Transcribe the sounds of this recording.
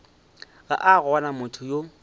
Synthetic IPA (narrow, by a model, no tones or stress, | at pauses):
ɣa̰ʔaɣʊanamʊtʰʊjo